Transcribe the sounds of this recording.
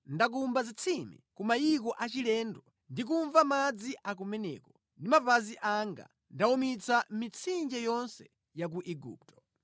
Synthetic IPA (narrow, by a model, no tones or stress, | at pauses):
ndak̬umbazit͡sʰimḭkumajik̬ɔʔat͡ʃilɛːndɔ | ndik̬uɱvamad͡ziʔak̬umɛnɛ̰kɔ | ndimavaziʔaŋɡa̰ | ndaumit͡samit͡sʰind͡ʒɛjɔnsɛ | jak̬uʔɛɡṵːp̚tɔ̥